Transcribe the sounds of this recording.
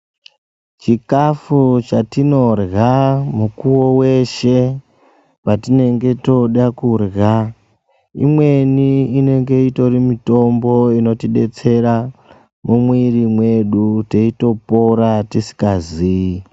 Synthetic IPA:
t͡ʃikafut͡ʃatino̞rɣamukuwowe̞ʃe̞ | patine̞ŋɡe̞to̞ɗakurɣa | ḭmwe̞niine̞ŋɡe̞ito̞rimito̞mbo̞ino̞tiɗe̞t͡se̞ɾa | mumwirimwe̞ɗute̞ito̞po̞ɾatisi̥kazi

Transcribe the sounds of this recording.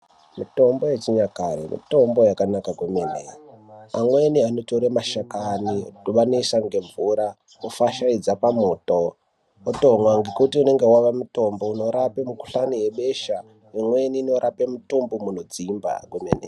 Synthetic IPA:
mito̞mbo̞jet͡ʃiɲakaɾḛmḭto̞mbo̞jakanakakwemenḛamweniano̞toɾemaʃakaniduɓanisaŋɡe̞ɱvuɾa | ofaʃaid͡zapamuːtoː | toŋwaŋɡe̞kutiune̞ŋɡe̞waʋamuto̞mbouno̞ɾapemuku̥ɬanije̞ɓe̞ʃa | imwe̞niːno̞ɾʔapemutumbomunod͡zimba̰kemenḛa

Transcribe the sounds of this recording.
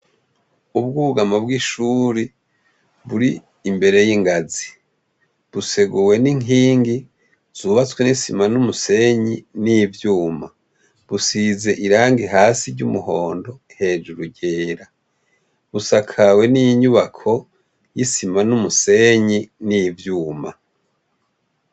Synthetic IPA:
ub̚ɡuβuɡamabɡiʃuɾi | βuɾiː | mbe̞ɾe̞jiŋɡazi | βuse̞ɡuwe̞niŋiːŋɡi | z̥uːβat͡swenisimanumuse̞ɲinivjuːma | βusize̞ʔiɾaːŋɡiɦaːsiɾɟumuɦo̞ːndo̞he̞ːd͡ʒuɾuɟeːɾa | βusakʰawe̞nijiɲuβakʰo̞ | jisimanumuse̞ɲinivjuːma̰

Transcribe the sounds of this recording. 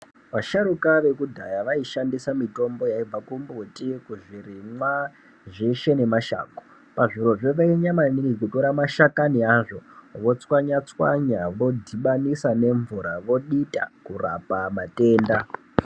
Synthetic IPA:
ʋaʃaɾukaʋe̞kudʱajaʋaiʃandisamito̞mbo̞jaib͡vakumbutikuʐirimwa | ʐiʃe̞ne̞maʃa̰ːko | paʐiɾo̞ʐeʋaiɲamaniikutoɾamaʃakaniaʐo̞ʋo̞t͡swaɲat͡swa̰ɲaʋo̞dʱiɓanisane̞ɱvuɾaʋo̞ɗita̰kura̰pamate̞ːnda

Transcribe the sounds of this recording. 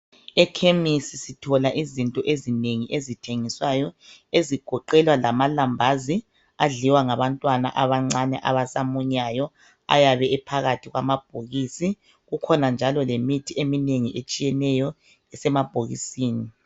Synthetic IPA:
ɛkʰemisisitʰɔlaʔizintʼɔʔezineŋiʔezitʰeŋiswajɔeziɡ̥ʱɔǃɛlwalamalambʱazi | aɮiwaŋaβantʼwana̰ʔaβaŋ͡ǀanɛ̰ʔa̰βasamuɲajɔ | a̰jaβɛːpʰaɣatʰiɣwamab̥̚ʱoɣisi | ɣukʰɔnand͡ʒʱalɔlemitʰiemineŋiʔet͡ʃʼijɛnɛjɔ | ɛsɛmab̥ʱoɣḭsiːni

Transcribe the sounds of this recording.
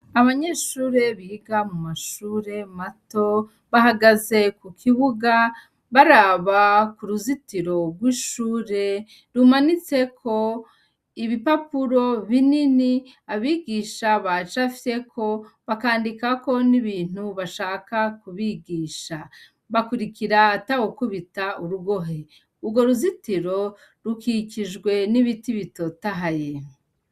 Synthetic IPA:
aβaɲe̞ʃuːɾe̞βiːɡamumaʃuːɾe̞mato̞ | βahaɡaze̞kukʰiβuɡa | βaɾaβakuɾuzitiɾo̞ɡwiʃuːɾe̞ | ɾumanit͡se̞kʰo̞ | iβipapuɾo̞βinini | aβiːɡiːʃaβat͡ʃafe̞kʰo̞βakaːndikako̞niβiːn̥huβaʃaːkakuβiɡiːʃa | βakuɾikiɾatawokuβitauɾuɡo̞ɦe̞ | uɡo̞ɾuzitiɾo̞ | ɾukiciʒɡwe̞niβitiβito̞taɦaje

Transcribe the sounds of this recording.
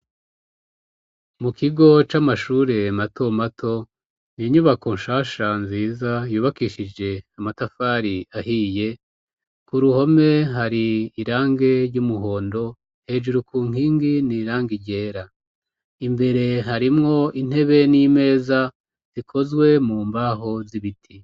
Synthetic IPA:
mukiɡo̞t͡ʃamaʃuːɾe̞matʰo̞matʰo̞ | niiɲuβakonʃaːʃanziːzajuːβakiʃid͡ʒe̞amatafaːɾiahiːje̞ | kuɾuho̞me̞ɦaɾiːɾaːŋɡe̞ɾɟumuɦo̞ːndo̞ | he̞ːd͡ʒuɾukʰuːŋ̥iːŋɡiniːɾaːŋɡiɟe̞ːɾa | imbe̞ɾe̞ɦaɾimŋo̞in̥e̞βe̞nime̞ːza | z̥ikʰo̞zɡwe̞muːmbaːɦo̞ziβitʰi

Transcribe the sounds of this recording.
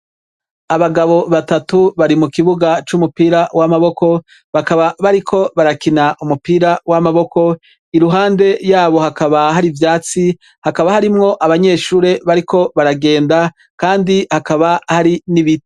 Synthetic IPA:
aβaɡaβo̞βatatuβaɾimukiβuɡat͡ʃumupiːɾawamaβo̞ko̞ | βakaβaβaɾikʰo̞βaɾakinaʔumupiːɾawamaβo̞ko̞ | iɾuɦaːnde̞jaːβo̞hakaβaɦaɾivjaːt͡si | hakaβahaɾimŋo̞ʔaβaɲe̞ːʃuːɾe̞βaɾikʰo̞βaɾaɡe̞ːnda | kaːndihakaβahaɾiniβite

